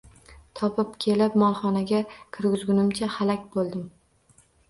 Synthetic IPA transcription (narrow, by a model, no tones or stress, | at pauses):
t̪ʰɒpʰɪpkʲʰelɪp̚mɒlˠχɒnaɡʲakʲʰɪɾɡʲɪzɡʲʊnɪmt͡ʃʰahalakʲbolˠd̪ɪm